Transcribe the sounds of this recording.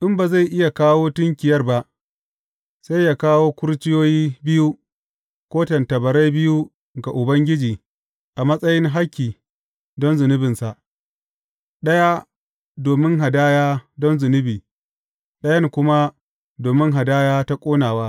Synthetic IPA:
ʔɪ˦mba˨za˦˨jʔɪ˦ja˨kaː˦woː˦tʊ˦ŋkʲɪ˨jɐ˦rba˦ʔ | sa˦jːaː˦kaː˦woː˦kʷʊ˦ɾt͡ʃɪ˦joː˦jiː˦bɪ˦ju˦ | kʷoː˦tɐ˨ntɐ˨bɐ˨ɾa˦jbɪ˦ju˦ | ɡa˨ʔʊ˨bɐ˦ŋɡʲɪ˦d͡ʒiː˨ | ʔa˨mɐ˦sʼɐ˦jɪ˦ŋɦa˦kʲːiː˨ | dɔ˦nzʊ˨nɪ˦bɪ˨nsa˨ʔ | ɗɐ˦ja˦ | doː˨mɪ˦ŋɦa˨daː˦jaː˦dɔ˦nzʊ˨nɪ˦biː˨ | ɗɐ˦jɐ˦ŋkʷʊ˦ma˦ | doː˨mɪ˦ŋɦa˨daː˦jaː˦ta˦kʷʼoː˦naː˨waː˦

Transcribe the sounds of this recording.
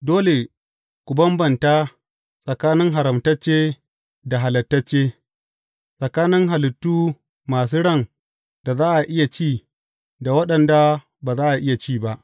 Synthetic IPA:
doː˦le˨ | kʷʊ˨bɐ˦mbɐ˨ntaː˦ | sʼɐ˨kaː˦nɪ˦ŋɦa˨ɾɐ˨mtɐ˦t͡ʃːeː˦ | da˨ɦa˨lɐ˨tːɐ˦t͡ʃːeː˦ | sʼɐ˨kaː˦nɪ˦ŋɦa˨lɪ˨tːuː˦ | maː˨s̬uː˦ɽɐ˦˨ŋ | d̥a˨zaː˦ʔa˨ʔɪ˦ja˨t͡ʃiː˦˨ | da˨wɐ˦ɗɐ˨nda˨ | baː˨zaː˦ʔa˨ʔɪ˦ja˨t͡ʃiː˦ba˦ʔ

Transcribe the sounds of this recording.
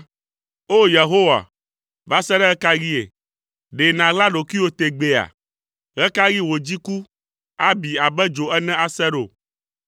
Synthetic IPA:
o˦je˨ɦo˦wa̰˨ | va˦sɛ˦ɖɛ˦ɣɛ˦ka˦ɣi˦ḛ˨ | ɖe˨nã˨la˦ɖo˨ki˦wo˦t̪e˨ɡ͡be˨a̰˨ | ɣɛ˦ka˦ɣi˦wo˨d͡ʑi˦ku˦ | a˦bi˨a˨bɛ˦d͡ʒo˨ɛ˦nɛ̃˦a˦sɛ˦ɖo̰˨

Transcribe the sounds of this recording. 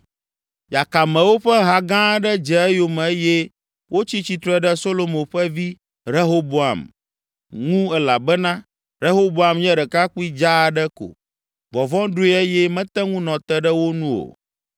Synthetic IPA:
ja˨ka˨mɛ̃˨wo˦ɸɛ˦ɦa˨ɡã˦ɖɛ˦d͡ʒɛ˨ɛ˦jo˨mɛ̃˨e˦jɛ˦ | wʔo˦t͡ɕi˦t͡ɕi˨˦t̪ɾɔ˦ɖɛ˦so˦lo˦mõ˨ɸɛ˦vi˦ | ɾe˦ɦo˦bo˨a̰˨m | ŋũ˦ɛ˦la˨bɛ˦nã˦ | ɾe˦ɦo˦bo˦a˨mɲɛ̃˦ɖɛ˨ka˦k͡pi˦d͡ʒa˦ɖɛ˦ko̰˨ | vɔ˨vɔ̃˦ɖu˦i˦e˦jɛ˦mɛ̃˦t̪ɛ˦ŋũ˦nɔ̃˨t̪ɛ˦ɖɛ˦wo˦nũ˦o̰˨

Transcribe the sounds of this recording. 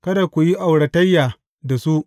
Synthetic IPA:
kɐ˦da˨kʷu˨ji˦ʔa˨wɽɐ˨tɐ˦jːaː˨ | da˨su˦ʔ

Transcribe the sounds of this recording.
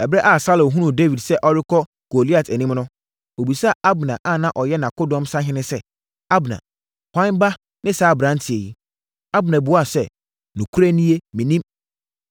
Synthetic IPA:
ɛ˨bɾɛ˦ʔa˦˨sa˦lõ˨ɦũ˦nʊ̃˨de˦vi˨dsɛ˦ʔɔ˦ɾɪ˦kʰɔ˦ | ɡ̥o˨li˦a˨tʰæ˨nĩ˦mnʊ̃˦ | o˨bi˨sa˦˨ʔa˦bʊ˨nã̰˨ʔa˦˨nã˦ʔɔ˨jɛ˦nã˨kʊ˦dɔ̃˦msa˦ɦɪ̃˦nɪ̃˦sɛ˦ | a˦bnã̰˨ | hʷã˦nba˦ | nɪ̃˦saː˨˦˨bɾã˨˦n˦tʰi˨e˨ji˦ | a˦bnã˨bʊ˨˦a˦˨sɛ˦˨ | nʊ̃˨kʰu˦ɾæ˦nĩ˦e˦mĩ˨nĩ˦m

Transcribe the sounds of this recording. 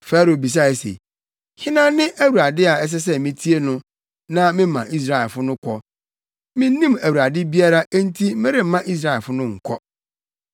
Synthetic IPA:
faː˦ɾo˨bi˨s̬a˦ɛ˨sḛ˨ | hɪ˦nã˦nɪ̃˦ʔæ˦wu˨ɾa˨dɪ˦a˨ɛ˦s̬ɛ˦s̬ɛ˦mɪ̃˦tʰi˦e˦nʊ̃˦ | nã˦mɪ̃˦mã˨ʔi˦s̬ɾa˦˨ɛ˨lfʊ˦nʊ̃˦kʷʰɔ˦ | mɪ̃˦n˦nĩ˦mæ˨wu˨ɾa˨dɪ˦bi˦a˦ɾa˦æ˦n̩˦tʰi˦m̩˦mɛ̃˦ɾɪ˦m̩˦mã˦ʔi˦s̬ɾa˦ɛ˨lfʊ˦nʊ̃˦ŋ̩˨kʰɔ˦

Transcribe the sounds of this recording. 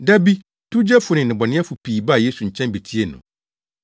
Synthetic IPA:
da˦bi˦ | tʰu˦d͡ʑɛ˦fʊ˨nɪ̃˨nɪ̃˨bɔ˨nɪ̃˦ɛ˦fʊ˨pʰiː˨ba˦˨je˦su˨ɲ̩˨t͡ɕʰɛ̃˦nbe˨tʰi˦e˦nʊ̰̃˨

